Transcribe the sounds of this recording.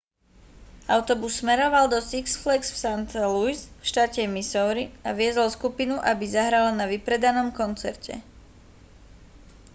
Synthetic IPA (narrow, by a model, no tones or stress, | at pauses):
aʊt̪ɔbusːmɛɾɔʋald̪ɔsiksflɛksfsant̪ɛlujsfʃt̪aːcɛmisɔʊɾiaʋɪɛzɔlskupinuʔabizaɦɾalanaʋipɾɛd̪anɔmkɔnt͡sɛɾcɛ̰